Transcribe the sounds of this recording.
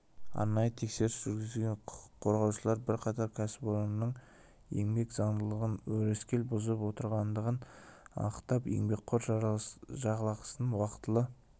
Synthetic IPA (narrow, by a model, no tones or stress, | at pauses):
ɑ̰ɾnɑjət̪ʰe̞kse̞ɾɪpʒ̥ʏɾɡʲɪzɪlʲɡʲeɴqʰo̞ɾʁɑwʃəlˠɑɾbɪɾqʰɑt̪ɑɾkʲʰæsɪboɾonnːəɴ | je̞̰ŋbe̞kzɑɴd̪əlˠəʁənwɵɾeskʲe̞lbʊzəpwo̞t̪əɾʁɑnd̪əʁənɑ̰əqt̪ɑpje̞̰ŋbe̞k̚qʰoɾʒʒɑʁəlˠɑqə̥sənənwɑqət̪əlˠə